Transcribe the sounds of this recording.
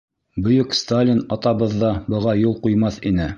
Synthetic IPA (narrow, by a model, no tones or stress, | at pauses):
bɵ̆jɵkst̪alʲinɑt̪ɑβɤ̆ðːɑbɤ̆ʁɑjulˠqujmɑθinɘ